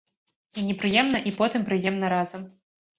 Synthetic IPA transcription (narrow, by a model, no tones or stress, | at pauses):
inʲɛpɾɨjɛmnɐʔipɔt̪ɨmpɾɨjɛmnɐɾazɐm